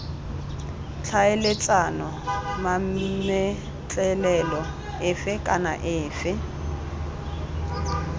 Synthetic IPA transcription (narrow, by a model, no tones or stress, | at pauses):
t͡ɬʰaɪlɪt͡sʼanɔmamɛ | t͡ɬʼɛlɛlɔ | ɪfɪkʼana̰ʔɪːfɪ